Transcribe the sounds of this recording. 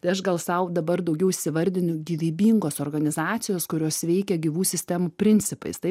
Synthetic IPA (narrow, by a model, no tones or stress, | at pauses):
t̪ɐɪɐʃɡɐlˠsɐʊd̪ɐbɐrd̪ɐʊɡʲɛʊɪʃʲsʲɪʋɐɾʲd̪ʲɪnʲʊɡʲiʋʲiːbʲiːŋɡoːsoːrɡɐnʲɪzɑːt͡ssʲɪjoːskʊɾʲoːsʋʲɛɪkʲɛɡʲɪʋuːsʲɪsʲt̪ʲɛmupʲɾʲɪnʲt͡ssʲɪpɐ̰ɪst̪ɐɪ